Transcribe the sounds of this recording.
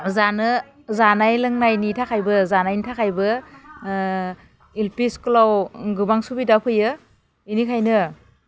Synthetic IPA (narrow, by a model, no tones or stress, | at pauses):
zanɯ | zanajlɯŋnajnitʰakʰajbɯzanajnitʰakʰajbɯ | ilpisklawɡɯbaŋsubidapʰɯjɯ | inikʰajnɯ